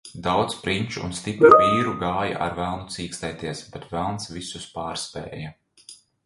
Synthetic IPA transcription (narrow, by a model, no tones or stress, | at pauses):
d̪awt̪spɾinʲt͡ʃṵnst̪ipɾuviːɾuɡaːja̰ʔaɾvælˠnut̪siːkst̪ɛjt̪iɛsb̥ɛt̪vælˠnsvisuspaːɾspɛ̰ːjɐ